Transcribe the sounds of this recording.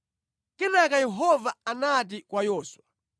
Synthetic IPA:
kɛnakajɛɦɔvaanat̬ikwajɔːswa

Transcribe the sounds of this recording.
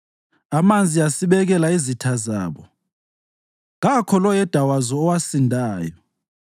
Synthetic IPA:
amand͡zʱiasiɓɛɣ̬ɛlaizitʰaza̰ːβɔ | ɣakʰɔlɔjɛd̥ʱawazɔːwasindʱaːjɔ

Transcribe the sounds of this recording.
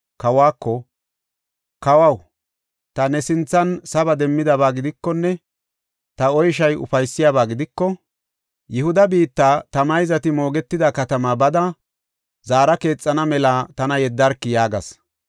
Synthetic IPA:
kɐwaːkːɔ | kɐwɐw | t̪ɐnɛsɪnt͡sːɐnsɐbɐd̪ɛmːɪd̪ɐβaːɡɪd̪ɪkːɔnːɛ | t̪ɐɔjʃ̬ɐjʊ̰fɐjsːɪjabaːɡɪd̪ɪkːɔ | jʔɛhʊd̪ɐbiːt̪ːaːt̪ɐmɐjzɐt̪ɪmo̞ːɡɛt̪ːɪd̪ɐkɐt̪ɐmabɐd̪ɐ | zaːɾɐke̞ːt͡sʼːɐnɐmɛlaːt̪ɐnɐjɛd̪ːɐɾkːɪjaːɡɐ̰s

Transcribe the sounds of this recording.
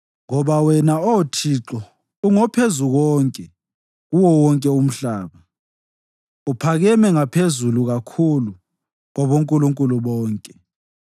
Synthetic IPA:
ŋɔβawɛnaɔtʰiːǁɔ | uŋɔpʰezuɣɔŋkʼɛ | ɣuwɔwɔŋkʼɛum̩ɬaːβa | upʰaɣɛmɛŋapʰezuluɣakʰulu | ɣɔβoŋkʼuluŋkʼuluβɔːŋkʼɛ

